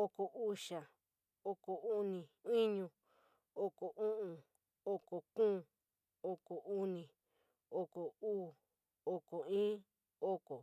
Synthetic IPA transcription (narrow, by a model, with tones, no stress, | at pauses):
o˧ko˨ʔu˧ʃa˨ | o˧ko˨u˦nĩ˨i˦ɲũ˧ | o˦ko˨ʔũ˦ʔũ˧ | o˧ko˨kũː˦˨ | o˧ko˨u˦nĩ˨ | o˧ko˨uː˦˨ | o˧ko˨ĩː˦ | o˦ko˨